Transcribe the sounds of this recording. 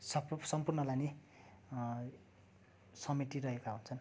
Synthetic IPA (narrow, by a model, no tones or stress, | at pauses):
ssʌmpurnʌlajni | sʌmiʈ̪irʌɦekaɦunt͡sʰʌn